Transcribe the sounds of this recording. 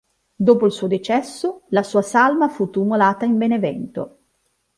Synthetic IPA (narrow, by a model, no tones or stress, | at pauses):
d̪oːpoilsuːod̪it͡ʃɛsːolasuːasalmafut̪ːumolaːt̪aimbenevɛ̰nt̪o̰